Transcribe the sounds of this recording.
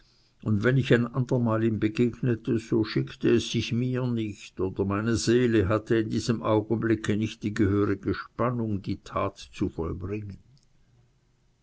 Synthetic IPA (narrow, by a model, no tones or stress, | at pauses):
ʔʊndvɛnɪçaɪnʔandəmaːliːmbəɡeːɡnətʰəz̥oːʃɪktəɛsːɪçmiːɐnɪçtoːd̥ɐmaɪnəzeːləɦatəɪndiːz̥əmʔaʊɡən̩blɪkʰənɪçt̚d̥iːɡəhøːʁɪɡ̥əʃpanʊŋdiːtʰaːtt͡sufɔlbʁɪŋən